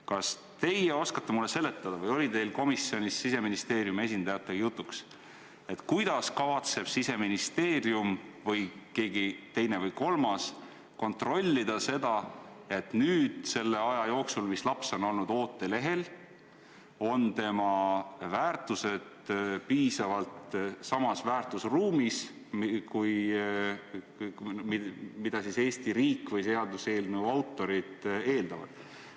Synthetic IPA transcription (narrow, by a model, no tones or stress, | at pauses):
kɑs | t̪e̞jeo̞skɑt̪ːemulːese̞lːe̞t̪ːˑɑd̪̥ɑvɤjo̞lit̪e̞jlko̞misːio̞nʲisːise̞minist̪e̞ːɾjume̞s̬ʲind̪ɑjɑt̪ːˑeɡɑjut̪ˑːuks | e̞t̪ːˑkujd̪̥ɑskɑvɑt̪se̞b̥sise̞minist̪e̞ːɾiumvɤjke̞ːɡit̪e̞jne̞vɤjko̞lmɑs | ko̞nt̪ro̞lʲːid̪̥ɑse̞d̪ɑ | e̞t̪nyːd̪̥se̞lːe̞ɑjɑjo̞ːksulmislɑpso̞no̞lnud̪o̞ːt̪ːˑe̞le̞ɦe̞l | o̞nt̪e̞mɑvæːrt̪ˑuse̞d̪̥ | piːsɑvɑlt̪sɑmɑsvæːrt̪ˑusruːmis | kuj | mimid̪̥ɑsise̞ːst̪iɾiːkvɤjse̞ɑd̪use̞ːlnuɑwt̪ːˑo̞ɾid̪̥e̞ːld̪̥ɑvɑ̰d̪̥